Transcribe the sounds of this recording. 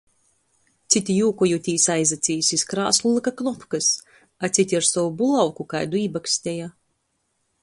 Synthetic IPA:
t̪sʲit̪ʲijuːkɔjut̪ʲiːsajzat̪sʲiːjsʲiskɾa̰ːslˠulˠɨkaknɔpkɨs | at̪sit̪ʲiaɾsɔwubulˠawkukajd̪uiːbaksʲt̪ʲɛja

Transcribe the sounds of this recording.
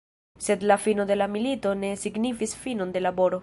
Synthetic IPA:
se̞dlafino̞de̞lamilito̞ne̞siɡnifisfino̞nde̞labo̞ɾo̞

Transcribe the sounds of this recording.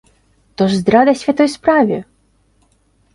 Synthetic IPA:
t̪ɔʐzd̪ɾad̪ɐsʲfʲat̪ɔjspɾavʲɛ

